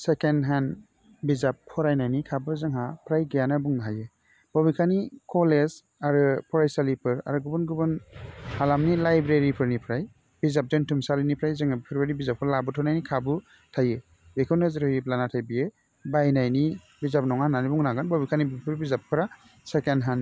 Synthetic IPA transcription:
sekenɦan | bizap̚kʰɔɾajnajnikʰabɯzɯŋɦapʰɾajɡɯjanabuŋnaɦajɯ | b̥ɔbikʰanikɔlez | aɾɯpʰɔɾajsalipʰɯɾa̰ɾɯɡubɯnɡubɯnhalamnilajbɾeɾipʰɯɾnipʰɾaj | bizap̚dentʰumsalinipʰɾajzɯŋabpʰɾbeɾibizap̚kʰɯlabɯtʰɔnajnikʰabɯ | tʰaje | bekʰɔnɯzɾhɯɾiplanatʰajbie | bajnajni | bizap̚nɔŋananibuŋnaɡanbɔbikʰanibipʰɯɾbizap̚kʰɯɾa | sekenɦan

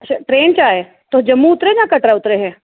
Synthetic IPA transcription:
ɐt͡ʃʰaʈɾeːnt͡ʃaːeː | t̪od͡ʒɐmːuʊt̪ɾed͡ʒãkɐʈɾaʊt̪ɾeɦɛ̃ː

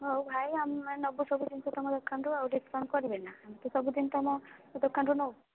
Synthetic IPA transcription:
ɦowbʱajamenɔbusɔbud̪insɔt̪ɔmɔd̪ɔkʰːanɾuawɖisɾɔnkɔɾibɛnaːmit̪ɔsɔbud̪int̪ɔmɔd̪ɔkʰːanɾunɔw

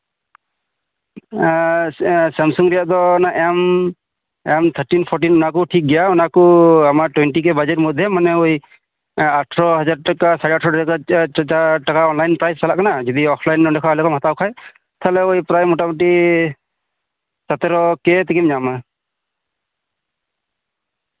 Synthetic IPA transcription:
samsuŋɾɛjaʔd̪ɔnaʔɛm | ɛmt̪ʰəɾʈinpʰɔɾʈinɔnakuʈʰik̚ɡijaɔnakuamaʈwɛnʈik̬ɛbad͡ʒɛɾmɔd̪ʱjɛmanɛuj | aʈʰɾɔɦad͡ʒad̚ʈakasaɾɛaʈʰɾɔakat͡ʃaʈakaɔnlajnpɾajssalaʔkanad͡ʒɔd̪iɔpʰlajnɔnɖɛkʰalɔkʰɔmɦat̪awkʰaj | t̪ʰalɛujpɾajmɔʈamɔʈ̬i | sat̪ɛɾɔkɛt̪ʰikimd͡ʒama

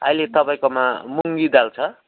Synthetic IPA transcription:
ʌ̰jlet̪ʌpaĩkoma̰muŋɡid̪alt͡sʰʌ

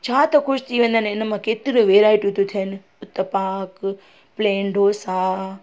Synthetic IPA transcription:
t͡ʃʰãːt̪okʰust̪iʋənd̪anenamãket̪iɾũʋeɾajʈũt̪ũt̪ʰen | ʊt̪ːəpak | pleɳɖʱosa

